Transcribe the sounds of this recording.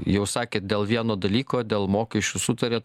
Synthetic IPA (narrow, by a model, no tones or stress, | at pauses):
jɛʊsɑːkʲeːt̪̚d̪ʲeːlˠʋʲiɛnoːd̪ɐlʲiːkoːd̪ʲeːlˠmoːkʲɛʃʲt͡ʃʲusʊt̪ɐɾʲeː